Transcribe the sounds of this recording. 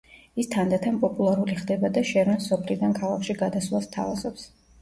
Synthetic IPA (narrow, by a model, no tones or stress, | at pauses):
ist̪ʰand̪at̪ʰampʼɔpʼulˠaɾuliχd̪ɛbad̪aʃɛɾmɛnsɔpʰlid̪ankʰalˠakʃiɡad̪aslˠast̪ʰa̰vazɔps